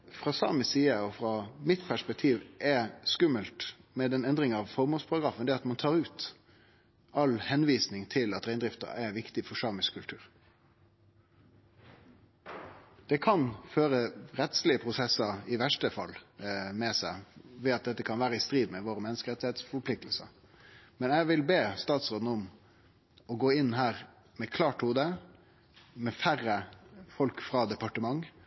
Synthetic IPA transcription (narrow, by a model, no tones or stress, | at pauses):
fɾɑːsɑ̰ːməsiːəɔfɾɑmɪt̪pʰæʂpɛk̚t̪ʰiːʋʔɛskʉməlt̪mɛd̪ɛnɛnd̪ɾɪŋɑʋfɔɾmuːlspʰɑɾɑɡɾɑːfənd̪ɛɑt̪mɑnt̪ʰɑːɾʉːt̪ | ɑlhɛnʋiːsnɪŋt̪ʰɪlɑt̪ɾæɪnd̪ɾɪft̪ə̰æʋɪkt̪ɪfɔsɑːmɪskʰʉlt̪ʰʉ̰ːʁ | d̪̥ɛkʰɑnføːɾəɾɛt̪slɪəpʰɾʊsɛsəɪʋæʂʈəfɑ̰lːmɛsæɪʋɛːɑt̪̚d̪ɛt̪ːəkʰɑnʋæːɾəɪst̪ɾiːd̪mɛʋoːɾəmɛnːəskəɾɛt̪ɪheːt̪sfɔɾpʰlɪkt̪l̩sə̰ | mɛnæɪʋɪlbeːst̪ɑːt̪sʁoːd̪nəʊm | ɔɡoːɪnːɦæːɾ | mɛkʰlɑːʈhuːd̪ə | mɛfæɾːəfɔlkfɾɑːd̪ɛpɑʈəmɑŋː